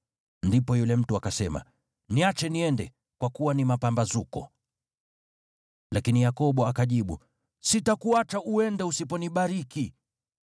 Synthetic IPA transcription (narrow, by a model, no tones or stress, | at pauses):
ndipɔjulɛm̩tuakasɛma̰ | niat͡ʃɛniɛndɛ | kwakuwanimapambazukɔ̰ | lakinijakɔɓɔakaʄiɓṵ | sitakuat͡ʃaʔuɛndɛusipɔniɓaɾiki